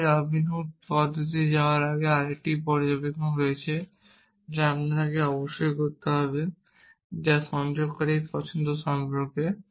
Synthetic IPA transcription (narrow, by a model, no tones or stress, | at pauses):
ɾabʱinupɔd̪ʱːot̪id͡ʑaoaɾaɡeaɾek̚ʈipɔɾd͡ʑabekoɦojet͡ɕʰe | d͡ʑeapnat̪ʰakeɔboʃːojkoɾt̪eɦɔbe | d͡ʑaʃɔnd͡ʑoɡkɔɾejp̪ɔt͡ɕʰond̪oʃɔmbɾoke